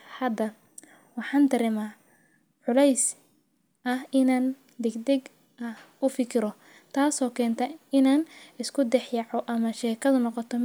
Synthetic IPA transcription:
hɐd̪ɐ | wɑħɑːnt̪ɐɾɪmaː | ʕʊlɛjs | ʔɐhɪnaːn | d̪ɛɡd̪ɛɡ | ɐh | ʊfɪkʰɪɾɔ | t̪ʰaːsɔːkʰɛːnt̪ʰɐɪnaːnɪskʰʊd̪ɛħjɑʕɔʔɐmɐʃɛːkʰɐðʊnɔqɔt̪ʰɔ

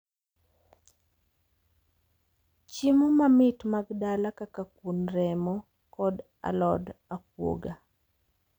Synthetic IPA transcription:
t͡ʃimɔmamɪtmaɡdalakakakwunɾɛmɔ | kɔd | a̰lɔdak̚wo̰ɡa

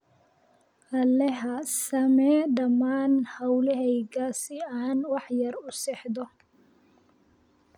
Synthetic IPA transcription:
ʔɐlɛɦɐsɐmɛːd̪ɐmːaːnhɐwlɛɦɛjɡaːsɪaːnwɑħjɐrʊsɛħd̪ɔ

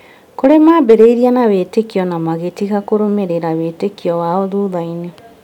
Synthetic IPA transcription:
koɾemabeɾeiɾianawetekiɔnamaɣetiɣakoɾomeɾeɾawetekiɔwaoðuːðaine

